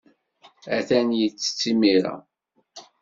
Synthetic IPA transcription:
æθænjət͡sːə̥t͡sːimiɾæ̰

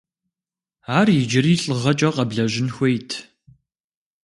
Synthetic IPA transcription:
aːrjɪd͡ʒɪriːɬʼɨʁɐt͡ʃʼɐqʼɐbɮɐʑɪnxʷejtʰ

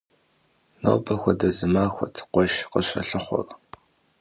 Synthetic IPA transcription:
no̰ːbɐxʷɔdɐzɨmaːxʷɔtʰqʷɔʃqəɕɐɬɨχʷɔ̰r

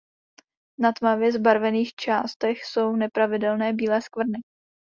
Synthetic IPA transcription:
nat̪mavjɛzbaɾvɛniːxt͡ʃaːst̪ɛxso̞wnɛpɾavɪdɛlnɛːbiːlɛːskvr̩nɪ

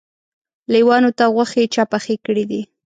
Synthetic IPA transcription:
liwɑnot̪aɣwaxet͡ʃɑpaxekəɽid̪i

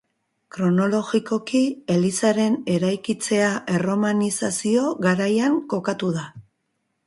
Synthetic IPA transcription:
kɾo̞no̞lo̞ɣiko̞kielisaɾe̞ne̞ɾajkit͡se̞aʔe̞ro̞manisasio̞ɣaɾajaŋko̞kat̪uð̞a

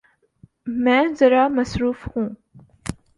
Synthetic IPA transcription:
mɛ̃ːzɐɾamɐsɾuːfhũː

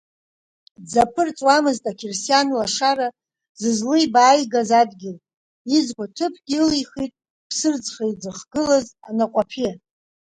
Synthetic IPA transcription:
d͡zapʰɨrt͡sʼwamɨztʼakʲʰersijanlaʂaɾa | z̥ɨzlɨjbaːjɡazadɡʲɪl | izkʷʼatʰɨpʰɡʲilijχitʼ | pʰsɨrd͡zχajd͡zɨχɡɨlazanaqʷʼapʰi

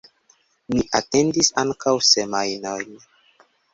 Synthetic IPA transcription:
miʔate̞ndisaŋkawsemajnojn

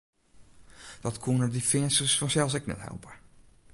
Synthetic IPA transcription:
d̥ɑtkʰunəɹdifɪŋsəsfɑnsɛlˠsɛknɛ̰tɦɛ̰lˠbaːɹ

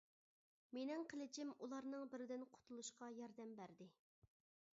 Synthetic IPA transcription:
menɪŋqʰəlˠɪt͡ʃʰɪmulˠɑɾnɨŋbɪɾɪd̪ɪnqʰʊ̥t̪ʰulˠuʃqɑjɑɾd̪ɛmbæɾd̪ɪ

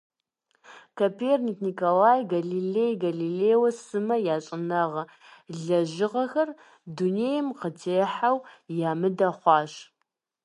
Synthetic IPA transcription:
kʰopʰerniknikʰolaːjɡaɮilejɡaɮileːwɐsɨmɐjaːɕʼɪnɐʁɐ | ɮɐʒɪʁɐxɐr | duneːjɛmqətʰeːħawjaːmɨdɐχʷɑːʃ

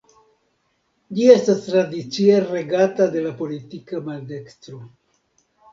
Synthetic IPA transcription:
d͡ʒie̞stastɾadit͡sieɾe̞ɡatade̞lapo̞litikamalde̞kstɾo

